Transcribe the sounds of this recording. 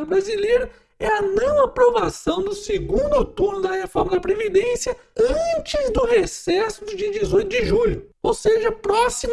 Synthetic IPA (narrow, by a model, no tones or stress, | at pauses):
bɾazilejɾɐ | ɛɐnɐ̃w̃apɾovasɐ̃w̃d̪ʊsɪɡũnd̪ʊt̪uɾnʊd̪ɐhefɔɾmɐd̪ɐpɾevid̪ẽsiɐ | ɐ̃t͡ʃɪzd̪ʊɦesɛsʊd̪ʊd͡ʒiɐd͡ʒɪzojt̪ʊd͡ʒɪʒuʎʊowseʒɐpɾɔsim